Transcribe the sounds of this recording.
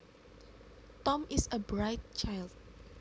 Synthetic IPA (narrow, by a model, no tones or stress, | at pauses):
tɔ̃misəbɹaɪd̚t͡ʃʰajld̚